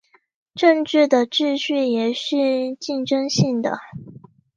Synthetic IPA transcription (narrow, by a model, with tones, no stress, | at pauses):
ʈ͡ʂɤ˥˧ŋʈ͡ʂɻ̩˥˩d̪ə˩ʈ͡ʂɻ̩˥˧ɕy˥˩jɛ˨˩ʂɻ̩˥˧t͡ɕi˥˩nʈ͡ʂɤ˥ŋɕi˥˩ŋd̪ə˩